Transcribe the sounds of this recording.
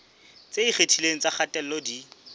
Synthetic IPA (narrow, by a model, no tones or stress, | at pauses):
t͡sʼeiχetʰileŋ̩t͡saχatʼɛl̩lɔdi